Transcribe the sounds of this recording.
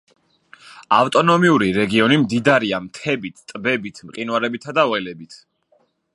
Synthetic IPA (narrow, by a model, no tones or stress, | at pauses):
aft̪ʼɔnɔmiuɾiɾɛɡiɔnimd̪id̪aɾiamt̪ʰɛbit̪ʰt̪ʼbɛbit̪ʰmqʼinwaɾɛbit̪ʰad̪avɛlɛbit̪ʰ